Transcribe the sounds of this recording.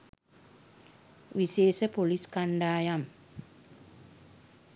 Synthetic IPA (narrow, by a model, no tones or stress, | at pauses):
ʋiseːsəpoliskaɳɖaːjam